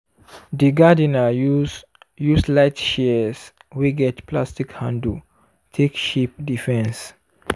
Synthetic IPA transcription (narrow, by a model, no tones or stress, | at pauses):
diɡadina | juslaɪtʃɛs | wiɡɛtplastikhãndu | tʰekʃip̚difɛ̃ns